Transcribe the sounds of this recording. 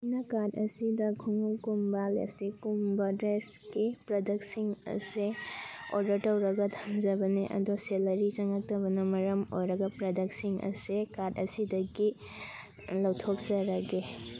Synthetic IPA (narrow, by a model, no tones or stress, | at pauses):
nɐkaɾdɐsidɐkʰuŋukumbɐlḛp̚ʰstikːumbɐdɾes | kipɾɐdɐksiŋɐ̰seo̰ɾdɐɾtɐwɾɐɡɐdʰʱɐmd͡ʒɐbɐneʔɐ̰doselɐɾit͡ʃɐŋɐk̚tɐbɐnɐmɐɾɐmo̰jɾɐɡɐpɾɐdɐksiŋɐ̰sekaɾdɐsidɐɡi | lɐwtʰok̚zɐɾɐɡe